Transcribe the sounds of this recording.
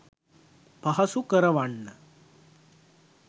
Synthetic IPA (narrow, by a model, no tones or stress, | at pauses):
pɐɦɐsukɐɾɐʋɐɳːɐ